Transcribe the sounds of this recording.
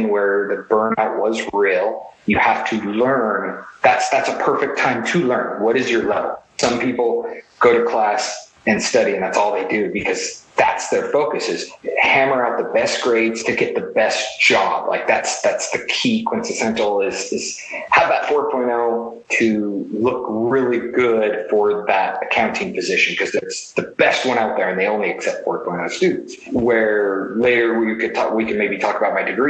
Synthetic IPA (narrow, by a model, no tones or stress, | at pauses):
nwə˞ðɨbɜ̃˞naʊt̚wʌzɹilˠjɨhæftʰɨlɜ̃˞nðætsðætsəpʰɜ˞fɨk̚tʰãɪ̃mtʰɨlɜ̃˞nwʌɾɨzjə˞lɛvl̩ˠsʌ̃mpipl̩ˠɡ̥oʊɾɨkʰl̥æs | ɨ̃nstʌɾiɨ̃nðætsɔlˠðeɪdɨbɨkʰʌzðæ̰tsðə˞foʊkɨsɨz̥hæ̃mə˞aʊt̪̚ðəbɛs̚ɡ̥ɹeɪdz̥tʰɨɡɛt̪̚ðɨbɛsd̥ʒ̥ɑ̰b̥lʔa̰ɪk̚ðætsðætsðɨkʰikʰw̥ɪ̃nsɨsɛ̃ntl̩ˠɪz̥ɪz̥ | həvðətfɔɹt̚pʰɔ̃ɪ̃nɛlˠtʰɨlʊkɹɪlˠiɡʊd̥fə˞ðəɾɨkʰãʊ̃ntʰɪ̃ŋpʰɨzɪʃɨ̃n̩kʰʌzðɨtsðɨb̥ɛst̚wʌ̃ɾ̃aʊt̪̚ðə˞ɨ̃nðeɪõʊ̃nliɨksɛp̚tfɔɹt̚pʰɔ̃ɪ̃nʊstʉdⁿn̩s | wə˞leɪɾə˞wikɨdtʰɔ̰wikɨn̚meɪbitʰɔkəbaʊt̚maɪdɨɡɹi